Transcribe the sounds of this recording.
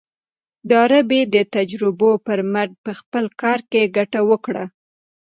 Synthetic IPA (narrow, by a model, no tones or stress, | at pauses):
d̪ɑɾabed̪ət̪ad͡ʒɾɪbopəɾmaɾɖ̚pəxpəlkɑɾkeɡaʈawəkɽa